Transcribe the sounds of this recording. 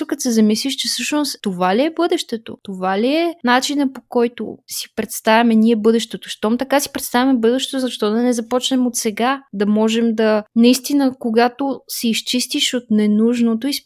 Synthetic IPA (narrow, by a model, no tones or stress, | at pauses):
ʊkɐt̪sɛzɐmisliʃt͡ʃɛsɤʃnosovaliɛbɤd̪ɛʃt̪ɛt̪o̰t̪ovaliɛnat͡ʃinəpokɔjt̪o̰si̥pɾɛt̪st̪avʲɐmɛniɛbɤd̪ɛʃt̪ɛt̪oʃt̪ɔmt̪ɐkasi̥pɾɛt̪st̪avʲɐmɛbɤd̪ɛʃt̪ɛt̪ʊzɐʃt̪ɔd̪ɐnɛzɐpɔt͡ʃnɛmot̪sɛɡad̪ɐmɔʒɛmd̪ɐnɐist̪inəkoɡat̪osɛist͡ʃist̪iʃot̪nɛnuʒnot̪ois